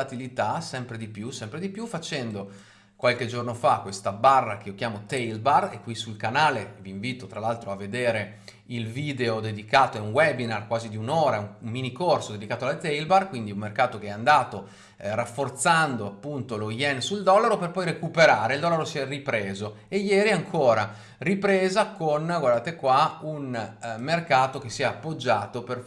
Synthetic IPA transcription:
at̪ilit̪asɛmpɾed̪ipjusɛmpɾed̪ipjufat͡ʃɛnd̪o | kwalked͡ʒornofakːwest̪abarːak̟eiokjaːmot̪ɛjlbarekːwisulkanaːleviːɱviːt̪ot̪ɾalalt̪ɾoavːed̪eːɾe | ilviːd̪eod̪ed̪ikaːt̪oɛunwɛbinarkwaːzid̪iunoːɾauŋmminikorsod̪ed̪ikaːt̪oalt̪ɛjlbarkwind̪iumːerkaːt̪okeɛand̪aːt̪o | rafːort̪sand̪oapːunt̪oloiɛnsuld̪ɔlaɾoperpɔjɾekupeɾaːɾeild̪ɔlːaɾosiɛripɾeːzo | ejɛːɾiaŋkʰoːɾa | ripɾeːzakonɡward̪aːt̪ekwaunmerkaːt̪ok̟esːiɛapːod͡ʒːaːt̪oper

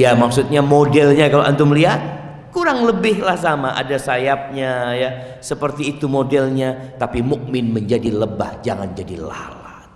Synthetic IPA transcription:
jamak̚sut̪̚ɲamodɛlɲakaloʔa̰nt̪umliɦat̪̚ | kuɾaŋləbɪhlahs̬amaʔa̰dasajap̚ɲaja | səpərt̪iːt̪umodɛlɲat̪apimuk̚mɪnməɲd͡ʒadiləba̰hd͡ʒaŋand͡ʒadḭla̰hla

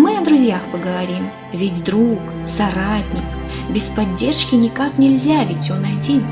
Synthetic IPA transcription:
mɨɐd̪ɾʊzʲjaxpəɡəvɐɾʲim | vʲɪtʲd̪ɾuk | sɐɾatʲnʲɪk | bʲɪspɐdʲːe̞rʂkʲɪnʲɪkaknʲɪlʲzʲavʲɪtʲːonɐdʲi

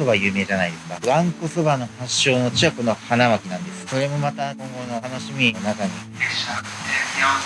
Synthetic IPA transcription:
oβajɯ̟ːme̞ːʑanaid̪e̞sɨ̥kaβãŋkɯsɨbano̞haɕːo̞ːno̞t͡ɕiβako̞nohanaβakʲinãnd̪e̞sɨ̥so̞ɾe̞mo̞mat̪akõ̞ŋɡo̞not̪ano̞ɕimʲionakaɲ̟i | e

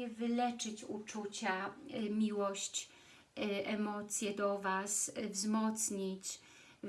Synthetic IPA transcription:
ɛvɘlɛt͡ʂɘt͡ɕut͡ʂut͡ɕamʲiwɔɕt͡ɕ | ʔɛmɔt̪sʲjɛd̪ɔvasvzmɔt̪sɲit͡ɕ

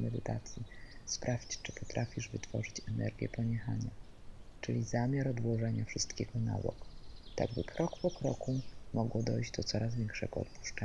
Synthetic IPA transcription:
mɛd̪ɘt̪at̪sʲjispɾʔafʲt͡ɕt͡ʂɘpɔt̪ɾʔafʲiʐvɘt̪fɔʐɘt͡ɕɛnɛɾɡʲjɛ̰pɔɲɛxaɲa | t͡ʂɘlʲizamʲaɾɔd̪wɔʐɛɲafʂɘst̪kʲɛɡɔna̰wɔ̰kt̪a̰ɡbɘkʰɾɔkpɔkɾɔkumɔɡwɔd̪ɔjʑd͡ʑd̪ɔt̪sɔɾazvʲjɛŋkʂɛɡɔɔ̰t̪pu̥ʂt͡ʂɛɲ

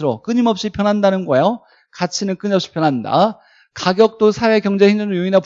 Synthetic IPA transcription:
ɯɾok͈ɯɲimʌp̚ɕ͈ipʰjʌnɦandanɯnɡʌejo | kat͡ɕʰinɯnk͈ɯɲʌp̚ɕ͈i̥pʰjʌnɦanda̰ | kaɡjʌk̚t͈osʰawe̞kjʌŋd͡ʑe̞hind͡ʑʌnɯjoinap

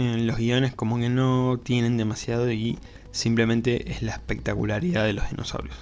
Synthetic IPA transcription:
lo̞zɣio̞ne̞sko̞mo̞ke̞no̞t̪je̞nẽ̞nd̪e̞masjaðo̞i | simple̞mẽnt̪eʔezlaehpek̚t̪akulaɾiðaðe̞lozðḭnʔo̰sa̰wɾjos

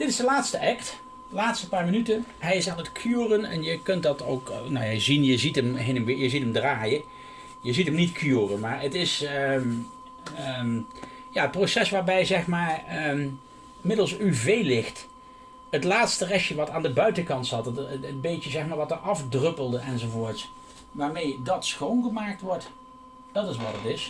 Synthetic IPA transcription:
d̥ɪtɪzdəlaːtstəʔɛkt | laːtstəpaːɹmənytə | ɦɛjɪsaːnətkʰyːrənɛ̰njəkɵnt̚dɑto̰wknawjəzinjəzitəmɦenəmʋɪjəzitəmdraːjə | jəzitəmnitkʰyːrənmaːɹətɪs | m | jaːət̚prosɛsʋaːɹbɛjzɛχmaːɹə | ɪmɪdəlˠsyvejlɪxt | ətlaːtstərɛʃjəʋɑtaːndəbœɥtəkɑntsɑttənbejjəzɛxmaːɹʋɑtəɑfdrɵpəlˠdəɛnzowvoːɹts | ʋaːɹmejdɑtsxownɣəmaːk̚tʋɔɹt | d̥ɑtɪs̬ʋɑtətɪs

